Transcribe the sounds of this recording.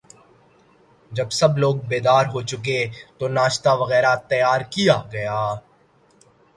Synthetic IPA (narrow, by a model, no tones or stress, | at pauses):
d͡ʒɐbsɐbloːɡ̚beːd̪aːɾɦot͡ʃʊk̬et̪onaːʃt̪aʋɐɣɛːɾat̪ɐjaːɾkijaɡɐjaː